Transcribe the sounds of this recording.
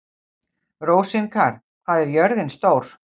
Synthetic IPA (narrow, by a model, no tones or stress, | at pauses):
roːwsɪnkʰaːɾ̥ | θaːðɛɾjœɾðɪnst̪oːwɾ̥